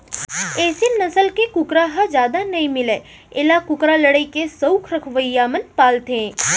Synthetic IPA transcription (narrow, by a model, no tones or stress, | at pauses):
eːsenɐsəlkekʊkɾaɦad͡ʒjaːd̪anɐɦĩmɪleː | ɪlakʊkɾaləɽəikesəukʰɾɐkʰʋəjːamənpaːlt̪ẽː